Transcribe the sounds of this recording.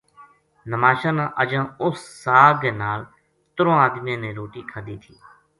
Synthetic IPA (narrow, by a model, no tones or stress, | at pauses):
nəmaːʃãːnãːʔəd͡ʒãːʊsːaːɡenaːl | t̪ɾõːaːd̪mijãːneːɾoːʈiːkʰəd̪iːt̪ʰiː